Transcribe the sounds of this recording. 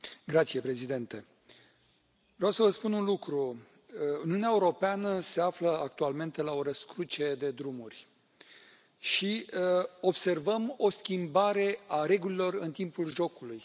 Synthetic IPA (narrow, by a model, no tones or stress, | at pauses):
ɡɾat̪sije̞pɾe̞zid̪e̞nt̪e̞ | vɾeawsəvəspununlukɾu | uniuneaeuɾo̞peanəse̞afləak̚t̪ualme̞nt̪e̞lao̞ɾəskɾut͡ʃe̞d̪e̞d̪ɾumurʲ | ʃi | o̞bse̞rvəmo̞skʲimbaɾe̞aɾe̞ɡulilo̞rɨnt̪impulʒo̞kuluj